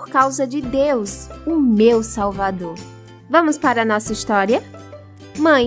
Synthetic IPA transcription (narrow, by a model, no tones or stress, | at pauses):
poɾkawzɐd͡ʒɪd̪ewsʊmewsawvad̪oɾ | vɐ̃mʊspaɾɐnɔsɐist̪ɔɾiɐ | mɐ̃j̃